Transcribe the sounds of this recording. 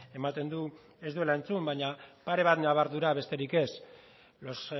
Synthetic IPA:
e̞mat̪e̞nd̪u | e̞zðue̞lae̞nt͡sumbaɲapaɾe̞β̞at̪naβ̞aɾðuɾaβe̞st̪e̞ɾike̞s | lo̞s

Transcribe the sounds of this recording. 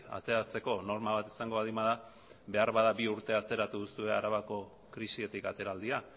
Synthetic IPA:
a̰t͡se̞ɾat͡se̞ko̞no̞ɾmaβat̪isaŋɡo̞aðimað̞a | be̞aɾβaðabiuɾt̪e̞at͡se̞ɾat̪uðusue̞aɾaβako̞ | kɾisie̞t̪ikat̪e̞ɾald̪ia

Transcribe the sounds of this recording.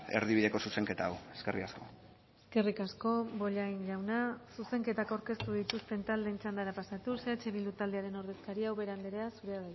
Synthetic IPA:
e̞̰ɾðiβ̞iðe̞ko̞suse̞ŋke̞t̪aaweskerikasko̞̰ | eske̞rikasko̞bo̞ʎajnʎawnasuse̞ŋke̞t̪akawɾke̞st̪uð̞it̪ust̪e̞nt̪ald̪ent͡ʃand̪aɾapasat̪use̞at͡ʃe̞βilut̪ald̪e̞aɾeno̞ɾðe̞skaɾiawβe̞ɾand̪eɾeasuɾe̞aða

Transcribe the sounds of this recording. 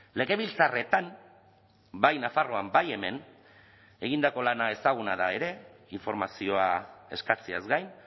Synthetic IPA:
le̞ɣe̞βilt͡sare̞t̪am | bajnafaro̞ambaje̞me̞n | e̞ɣind̪ako̞lanae̞saɣ̞unaðae̞ɾe̞iɱfo̞ɾmasio̞ae̞skat͡siazɡajn

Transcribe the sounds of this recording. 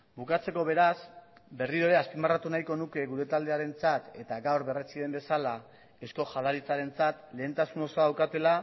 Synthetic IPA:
bukat͡se̞ko̞βe̞ɾasbe̞riɾo̞eɾe̞aspimarat̪unajko̞nuke̞ɣuɾe̞t̪ald̪e̞aɾe̞nt͡sat̪e̞t̪aɡawɾβe̞ret͡siðe̞mbe̞sala | e̞sko̞ʝaðaɾit͡saɾe̞nt͡sat̪le̞ːnt̪asuno̞soaðawkat̪e̞la

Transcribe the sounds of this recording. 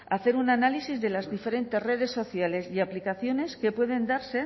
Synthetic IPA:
aθe̞ɾunanalisizðe̞lazðife̞ɾe̞nt̪e̞sre̞ðe̞sːo̞θjale̞siaplikaθjo̞ne̞ske̞pwe̞ð̞e̞nd̪aɾse̞

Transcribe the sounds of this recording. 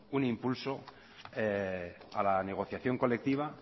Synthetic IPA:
unimpulso̞ | ealane̞ɣ̞o̞θjaθjo̞ŋko̞le̞k̚t̪iβ̞a

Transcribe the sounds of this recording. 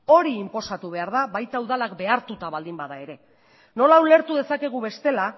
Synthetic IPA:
o̞ɾiːmpo̞sat̪uβ̞e̞aɾðaβajt̪awðalakbe̞aɾt̪ut̪aβald̪imbaðae̞ɾe̞ | no̞laule̞ɾt̪uðe̞sake̞ɣ̞uβe̞st̪e̞la

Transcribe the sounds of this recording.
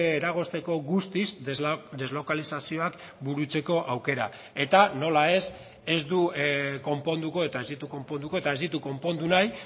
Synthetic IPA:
ɾaɣ̞o̞st̪e̞ko̞ɣust̪izd̪e̞zlo̞kalisasio̞ak | buɾut͡se̞ko̞ʔawke̞ɾa̰ | e̞t̪ano̞lae̞s | e̞zd̪uko̞mpo̞nd̪uko̞e̞t̪ae̞zðit̪uko̞mpo̞nd̪uko̞e̞t̪ae̞zðit̪uko̞mpo̞nd̪unaj

